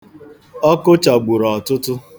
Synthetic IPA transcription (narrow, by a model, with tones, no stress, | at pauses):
ɔ˦kʊ˦t͡ʃa˨ɡ͡bʊ˨ɾɔ˨ɔ˨tʊ˦tʊ˦